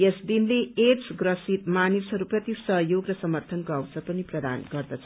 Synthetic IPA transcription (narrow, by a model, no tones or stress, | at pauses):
esd̪inleet͡sɡrʌsit̪manisɦʌɾuprʌt̪isʌɦjoɡrʌsʌmʌrt̪ʰʌnkoawsʰʌpʌniprʌd̪a̰nɡʌrd̪ʌt͡sʰʌ